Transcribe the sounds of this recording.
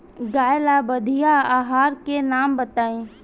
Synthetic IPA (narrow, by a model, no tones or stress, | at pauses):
ɡaːjlabəd̪ʱijaaːɦaːɾkenaːmbət̪aːẽː